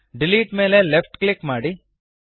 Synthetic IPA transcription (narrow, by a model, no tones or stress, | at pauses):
ɖiliːʈmeːlelepʰʈklɪkmaːɽi